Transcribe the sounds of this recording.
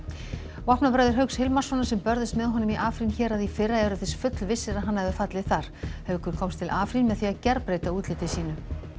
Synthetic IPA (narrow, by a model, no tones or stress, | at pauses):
vahpnapɾaɥðɪɾ̥ɦœɥkshɪlmḁsɔnːasɛmpœɾðɪst̪mɛðɦɔnʏmiʔaːfɾinçɛːɾaðifɪrːaɛɾʏθɛsfʏt̪lvɪsːɪɾaɦanːaɛvʏfat̪lɪθaɾ̥hɛvʏkʰvʏɾ̥kʰɔmst̪ʰɪlʔaːfɾinmɛðθiacɛɾpɾeːjt̪auːt̪lɪːt̪ɪsiːnʏ